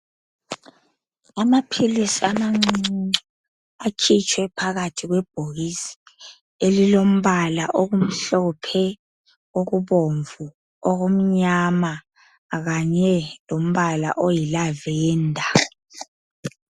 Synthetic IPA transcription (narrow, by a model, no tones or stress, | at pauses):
amapʰilisiamaŋ͡ǀu | akʰit͡ʃʰʼwɛpʰaɣatʰiɣwɛb̥ʱoɣisi̥ | elilom̩βalaʔoɣum̩ɬɔpʰɛ | oɣuβoɱvu | oɣom̩ɲama | ɣaɲɛlom̩βala̰ʔojilavɛːndʱa